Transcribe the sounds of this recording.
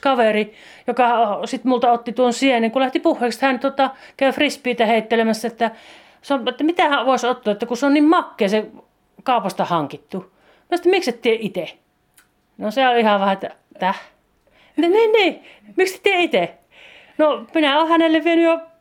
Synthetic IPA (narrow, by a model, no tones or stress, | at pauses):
kɑʋeri | jokɑosit̪mult̪ɑot̪ːit̪uonsieneŋkulæht̪ipuhːeːˑkshænt̪uot̪ɑkæyfrispiːt̪æheˑit̪ːelemæsːæet̪ːæ | soet̪ːæmit̪æhæʋoˑesot̪ːoɑet̪ːækuseonnimmɑkːeːse | kɑˑupɑst̪ɑhɑŋkit̪ːu | minæst̪æmikset̪t̪ieʔit̪e | noseolihɑʋæhæet̪ːæ | t̪ːæ | niːniːmikse̥t̪t̪ieit̪e | nominæoːhænelːeʋʋienyjo